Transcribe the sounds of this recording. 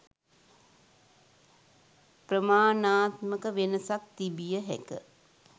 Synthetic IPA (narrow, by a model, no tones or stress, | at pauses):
prəmaːnaːt̪məkəʋenəsak̚t̪ibijəɦæ̰kə